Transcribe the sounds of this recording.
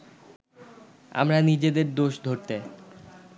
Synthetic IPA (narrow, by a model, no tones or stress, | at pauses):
a̰mɾanid͡ʑed̪eɾd̪oʃd̪ʱoɾt̪e